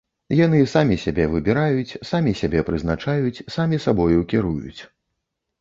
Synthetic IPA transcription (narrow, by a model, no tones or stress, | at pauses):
janɨsamʲisʲabʲɛvɨbʲiɾajut͡sʲsamʲisʲabʲɛpɾɨznat͡ʂajut͡sʲsamʲisabɔjuwkʲɛɾujṵt͡sʲ